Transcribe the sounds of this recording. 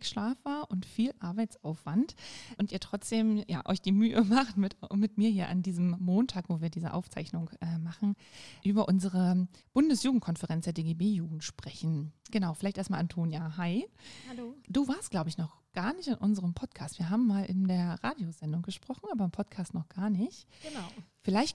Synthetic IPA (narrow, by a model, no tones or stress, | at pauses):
kʃlaːfv̥aːɐʔʊntfiːlʔaɐbaɪt͡sʔaʊfv̥antʔʊntiːɐtʁ̥ɔt͡sd̥eːmja̰ːʔɔ̰ʏçd̥iːmyːəmaχtmɪtmɪtmiːɐhiːɐʔa̰ndiːzəm̩ːoːntʰaːkv̥oːviːɐdiːzə̰ʔa̰ʊft͡sa̰ɪçnʊŋʔɛːmaχn̩ | ʔyːbɐʔʊnzəʁəb̥ʊndəsjuːɡŋ̩tkʰɔnfɛʁɛnt͡sd̥eːɐdeːɡeːbeːjuːɡŋ̩tʃpʁ̥ɛçn̩ɡ̥ənaʊfɪlaɪçteːɐstmalʔantʰoːnjaɦaɪhalod̥uːvaːɐstɡ̥laʊbəɪçnɔχɡ̥aːɐnɪçtɪnʔʊnzəʁəmpʰɔtkʰaːstv̥iːɐɦaːbm̩ːaːlʔɪ̰ndeːɐʁaːdjozɛndʊŋɡ̥əʃpʁ̥ɔχn̩aːbɐɪmpʰɔtkʰaːstnɔχɡ̥aːɐnɪçt | fɪlaɪçt